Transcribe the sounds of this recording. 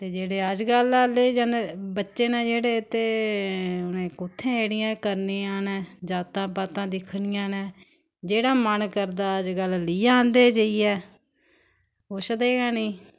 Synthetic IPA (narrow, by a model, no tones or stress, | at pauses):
t̪eːd͡ʒeːɽeːəd͡ʒɡəlaːled͡ʒənbətːʃeːnãːd͡ʒeːɽeːt̪eː | ʊnẽːkʊt̪ʰːẽːeːɽɪjãːkəɾneːaːnɛːd͡ʒaːt̪ãːpaːt̪ãːd̪ɪkʰniːãːnɛː | d͡ʒeːɽaːmənkəɾd̪aːəd͡ʒɡəlliːãːnd̪eːd͡ʒaːiːɛː | oːʃəd̪eːɡaːniː